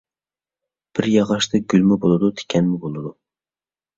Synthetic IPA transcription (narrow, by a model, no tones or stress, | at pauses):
b̥ɪɾjɑʁɑʃt̪ɨɡʲylmɪbolˠɨd̪ut̪ʰe̥kʲʰɛnmʊbolˠɨd̪u